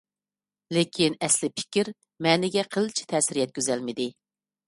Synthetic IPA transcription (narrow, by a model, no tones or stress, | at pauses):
lɪkʲʰinɛslɪpʰɪ̥kʲiɾ | mɛːnɪɡʲɛqʰəlˠt͡ʃʰi̥t̪ʰɛːsɪɾijɛt̪̚kʲøzɛlmɪd̪ɪ